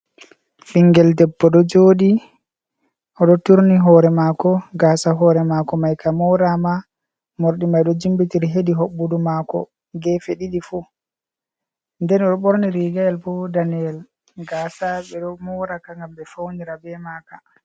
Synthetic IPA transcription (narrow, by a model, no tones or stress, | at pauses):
fiŋɡɛldɛbːɔɗɔd͡ʒoːɗi | ʔɔɗɔtuɾniɦɔːɾɛmaːkɔɡaːsaɦɔɾɛmakɔmajkamɔɾama | moɾɗimajɗɔd͡ʒimbitiɾiɦediɦoɓːudumakɔ̰ | ɡɛfeɗiɗifu | ndɛnɔɗɔɓoɾniɾiɡaɛlbɔdaniɛl | ɡaːsaɓɛɗɔmɔɾakaŋɡambɛfawniɾabɛmaːka